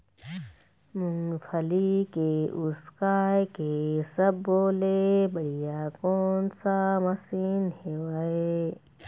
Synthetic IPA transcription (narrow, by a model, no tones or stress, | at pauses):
mʊ̃ŋɡpʰəlikeʊskaːjkesəbːoːlebɐɽijakɔːnsamɐsiːnhewaːe